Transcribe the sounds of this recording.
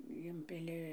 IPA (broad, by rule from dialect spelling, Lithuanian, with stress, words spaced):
ˈɪmʲpʲɪlʲɪ